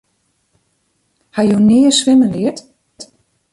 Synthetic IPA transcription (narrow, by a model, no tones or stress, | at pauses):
hajunɪːəsʋɪmənlɪət